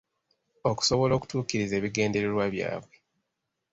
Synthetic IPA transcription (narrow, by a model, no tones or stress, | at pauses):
o̞ku̥so̞βo̞lo̞ːku̥tuːkiɾize̞ːβiɡe̞ːnde̞ɾeɾwaβja̰ːβwe̞